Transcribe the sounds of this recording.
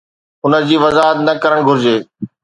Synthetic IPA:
ʊnəd͡ʑiːʋɐzaːɦət̪̚nɐkɐɾəɽ̃ɡʱʊɾd͡ʑeː

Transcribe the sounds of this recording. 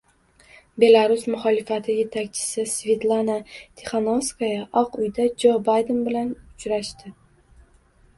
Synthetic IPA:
be̞lˠaɾʊsmʊχɒlɪfat̪ʰɪje̞t̪ʰakʲt͡ʃʰɪ̥sɪsve̞t̪lˠanat̪ʲʰeχanoskajaʔɒqʊjd̪ad͡ʒobajd̪ɪnbɪlanʊt͡ʃɾaʃt̪ɪ

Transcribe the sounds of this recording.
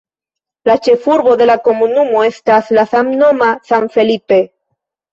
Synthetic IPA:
lat͡ʃefuɾβoðelakomunumoest̪aθlaθamnomasaɱfelipe

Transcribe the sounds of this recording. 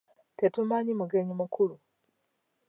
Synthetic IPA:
tetumaɲimuɡeɲimukʰulu

